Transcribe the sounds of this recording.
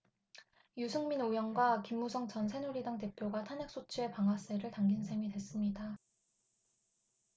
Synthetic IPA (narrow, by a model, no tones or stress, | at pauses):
jusʰɯŋminojʌŋɡwakimːusʰʌŋt͡ɕʌnsʰenuɾidaŋt̬e̞pʰjoɡatʰanek̚s͈ot͡ɕʰie̞paŋɦwas͈eɾɯɭtaŋɡinsʰe̞midwe̞s͈ɯmɲida